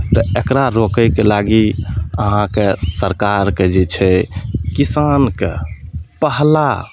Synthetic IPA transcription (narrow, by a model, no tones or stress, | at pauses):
t̪əekɾaɾokəjkelaɡiə̰ɦãkesəɾkaɾked͡ʒet͡ʃʰɛkisankḛpəɦla